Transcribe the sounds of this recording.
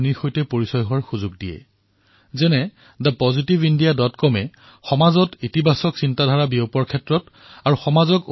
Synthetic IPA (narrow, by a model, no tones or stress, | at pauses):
nixojtɛpoɹisɔjɦʊaɹxuzʊɡ̚dijɛ̰ | zɛnɛ | dapɔzitibindijadɔtkɔmɛ | xɔmazɔtitibʱasɔksintadʱaɹabiopɔɹkʰɛtɹɔt | aɹuxɔmazɔk